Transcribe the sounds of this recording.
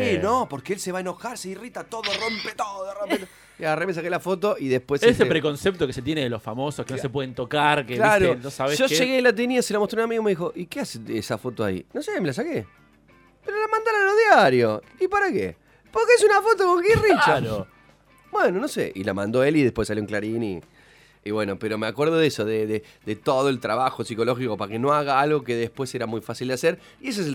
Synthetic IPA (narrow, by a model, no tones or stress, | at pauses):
inopoɾkeelseβaeno̞xaɾseirit̪at̪oðoro̞mpet̪oðoðrompet̪o | iaremes̬akelafo̞t̪̬o̞iðehpwesesepɾeko̞nsep̚t̪okeset̪jeneðelo̞sfa̰mosohkenosep̬weðent̪okaɾkelaɾonosaβesʒoʃeɣelat̪̬iniasielamot̪ɾunamiɣome̞ðixo̞ʔikeaseesafo̞t̪oa̰ḭnosemelas̬akḛ | peɾolamãnd̪alaloðjaɾjo | ipaɾakḛ | poɾkeesunafo̞t̪okoŋɡirit͡ʃao | bwenono̞sḛʔḭla̰mã̰nd̪o̞eliðe̞hpwesːaljoŋklaɾinḭ | iβwe̞nopeɾo̞meakwe̞ɾð̞oðesoðeðe | d̪et̪oðoelt̪ɾaβaxo̞siko̞loxiko̞paɾkeno̞aɣaalɣo̞keðehpweseɾamujfasild̪easeɾ | ie̞s̬ees̬